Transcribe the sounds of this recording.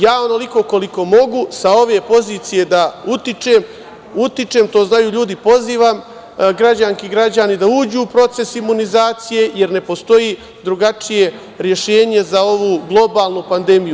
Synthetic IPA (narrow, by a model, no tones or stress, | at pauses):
jaːo̞no̞liko̞ko̞liko̞mo̞ɡusao̞ʋe̞po̞ziːt̪sije̞d̪aut̪it͡ʃeːm | ut̪it͡ʃe̞mt̪o̞ːznajuːʎuːd̪ipo̞ziːʋam | ɡɾad͡ʑaŋkiɡɾad͡ʑanid̪auːd͡ʑuːpɾo̞t̪se̞simunizaːt̪sije̞je̞ɾne̞po̞st̪o̞ji | d̪ɾuɡat͡ʃije̞ | ɾje̞ʃe̞ːɲe̞zao̞ʋuːɡlˠo̞baːlˠnupand̪e̞miju